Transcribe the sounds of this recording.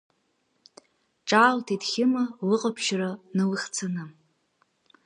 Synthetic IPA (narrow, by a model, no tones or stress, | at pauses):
ʈ͡ʂʼaːltʰitχʲɪmalɨqʼapʰʃranɨwɨχʲt͡sʰanɨ